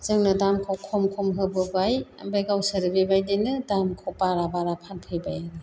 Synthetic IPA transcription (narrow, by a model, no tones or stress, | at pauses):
z̥ɯŋnɯdamkʰɔkʰɔmkʰɔmɦɯbɯbaja̰mbajɡawsɯɾibebajdenɯdamkʰɔpaɾabaɾapʰanpʰɯjbajanɯ